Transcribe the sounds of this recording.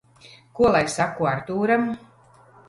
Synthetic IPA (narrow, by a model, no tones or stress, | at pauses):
kuɔlˠajsakːuaɾt̪uːɾam